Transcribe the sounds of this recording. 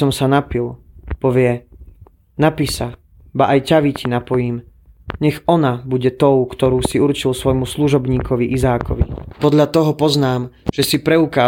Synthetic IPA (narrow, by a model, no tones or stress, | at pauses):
ɔmsanapilpɔʋɪɛ | napisa | baʔajcaʋicinapɔjiːm | ɲɛɣɔnabuɟɛt̪ɔʊkt̪ɔɾuːsiuɾt͡ʃilsʋɔjmusluʒɔbɲiːkɔʋiʔizaːkɔ̰ʋḭpɔd̪ʎat̪ɔɦɔpɔznaːmʒ̥ɛsipɾɛukaː